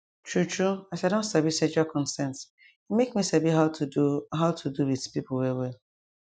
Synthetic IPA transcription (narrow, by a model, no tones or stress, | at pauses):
t͡ʃʰɹut͡ʃɹuasɛdõntsabised͡ʒakʰɔ̃nsɛ̃nt | itmekmisabiɦaʊtʰuɦaʊtʰuduwidpiplwɛwɛl